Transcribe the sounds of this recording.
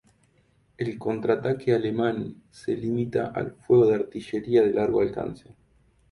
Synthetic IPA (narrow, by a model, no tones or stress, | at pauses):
elko̞nt̪ɾat̪akʰealemãn | selimit̪a̰ʔa̰lfweɣ̞o̞ðeaɾt̪iʃeɾiaðelaɾɣoalka̰nse